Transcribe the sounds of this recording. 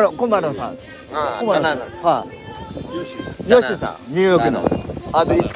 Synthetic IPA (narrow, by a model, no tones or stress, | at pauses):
ɾokomaɾosã̰ | komaha | joɕisã̰ɲɯːjokɯ̟no̰at̪ois